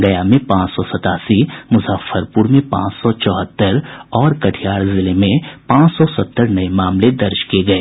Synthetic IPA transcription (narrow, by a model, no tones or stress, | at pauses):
ɡɐjamẽpãːt͡ʃsɔsɐt̪aːsimʊzaːfəɾpuɾmẽpã̰ːt͡ʃsɔt͡ʃɔːɦət̪ːəɾɔːɾkɐʈʰijaːɾzɪlemẽpãːt͡ʃsɔsɐt̪ːəɾnɐemaːmled̪ɐɾʃkieɡɐeː